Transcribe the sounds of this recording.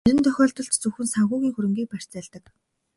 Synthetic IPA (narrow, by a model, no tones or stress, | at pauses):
eɾɘ̆nt̪ʰœxʲɔːɮt̪ɞ̆ɬt͡ɕt͡sɵxɘ̆nsaŋɣʊːɣʲiːŋxuɾɘ̆ŋɡʲiːk̚pær̥ʲt͡sæːɮt̪ə̆k